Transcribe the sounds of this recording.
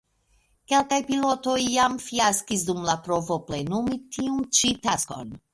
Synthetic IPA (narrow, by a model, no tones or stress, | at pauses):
ke̞lkajpilo̞to̞jːamfiaskis̬dumlapɾo̞vo̞plenumitʰiunt͡ʃitasko̞̰n